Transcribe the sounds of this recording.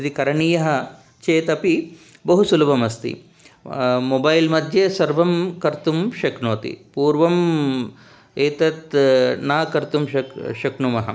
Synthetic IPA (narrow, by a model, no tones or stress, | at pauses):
d̪ikɐɾɐɳiːjɐɦɐ̆ | t͡ʃeːt̪ɐpi | bɐɦusulɐbɐmɐst̪ḭ | mobɐjlmɐd̪ʱjesɐɾʋɐmkɐɾt̪umʃɐknoːt̪ḭpuːɾʋɐm | eːt̪ɐt̪naːkɐɾt̪umʃɐʃɐknumɐɦɐ̰